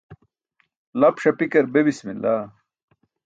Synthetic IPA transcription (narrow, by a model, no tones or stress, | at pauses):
lɐpʂɐpikɐɾbebismḭnllaː